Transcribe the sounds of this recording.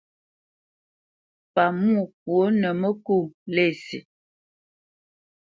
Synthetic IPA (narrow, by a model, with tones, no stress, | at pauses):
pa˨mu˦˨k̚wo˨˦nə˨mə˦ku˦˨ŋle˦˨sḭ˨